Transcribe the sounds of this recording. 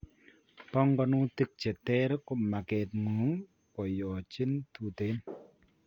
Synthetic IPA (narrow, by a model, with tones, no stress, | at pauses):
pɔ˦ŋɡɔ˧˨nu˦ti˦k̚t͡ʃe˨tɛ˦ɾkʊ˨ma˨kɛ˨t̚ŋu˨˦ŋ | kɔ˨jɔ˨t͡ʃi˦ntu˨te˨˦n